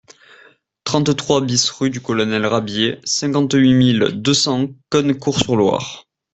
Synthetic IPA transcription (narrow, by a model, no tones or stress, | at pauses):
t̪χɑ̃t̪t̪χwabisʁyd̪ykɔlɔnɛlʁabjesɛ̃ŋkɑ̃t̪ɥimild̪əsɑ̃kɔnkuʁsyʁlwa̰ʁ